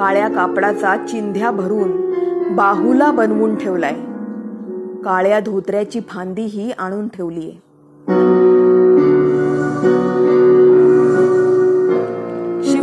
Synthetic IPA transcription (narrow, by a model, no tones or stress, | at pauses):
kaɭjakapɽat͡sat͡ɕind̪ʱjabʱəɾuːnbaɦulabənʋuːnʈʰeʋlaje | kaɭjad̪ʱot̪ɾjat͡ɕiːpʰand̪iɦiːaɽ̃uːnʈʰeʋliːjḛ | ɕi